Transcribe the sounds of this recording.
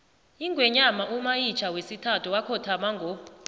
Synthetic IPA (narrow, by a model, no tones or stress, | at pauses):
iŋɡʱwɛɲamaʔumajit͡ʃʰawesitʰatʰuwakʰɔtʰamaŋɡʱɔ